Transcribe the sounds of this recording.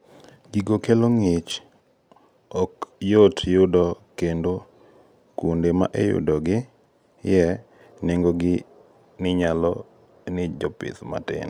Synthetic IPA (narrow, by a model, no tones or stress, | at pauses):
ɡiɡokeloŋɪt͡ʃ | ɔkjotjʊdɔkendo | kundema̰ʔejʊ̰dɔɡɪ | jɛ | neŋɡoɡɪ | nɪɲalɔ | nɪd͡ʒɔpɪ̰t̪ma̰tɪ̰n